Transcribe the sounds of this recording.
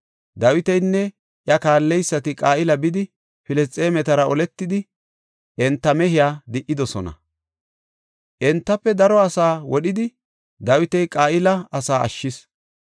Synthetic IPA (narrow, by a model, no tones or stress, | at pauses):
d̪ɐwɪt̪ɛjnːɛ | ʔjɐkaːlːɛjsːɐt̪ɪkʼaːʔɪlɐbɪd̪ɪ | fɪlɛst͡sʼːeːmɛt̪ɐɾɐɔlɛt̪ːɪd̪ɪ | ɛnt̪ːɐmɛɦɪjaːd̪ɪʔːɪd̪ɔsɔnɐ̰ | ʔɛnt̪ːɐpːɛd̪ɐɾɔɐsaːwɔɗɪd̪ɪ | d̪ɐwɪt̪ɛjkʼaːʔɪlɐɐsaːɐ̰ʃːɪs